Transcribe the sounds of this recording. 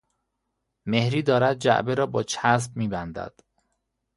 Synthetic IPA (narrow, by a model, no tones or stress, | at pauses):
me̞hɾiːd̪ɒːɾæd̪̚d͡ʒæ̰ʔbeɾɒːbɒːt͡ʃʰæs̬b̚miːbænd̪æ̰d̪̥